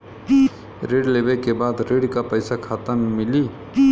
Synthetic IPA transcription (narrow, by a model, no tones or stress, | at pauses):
ɾeːɽleːʋekebaːd̪ɾeːɖkapəɪsakʰaːt̪ənmɪliː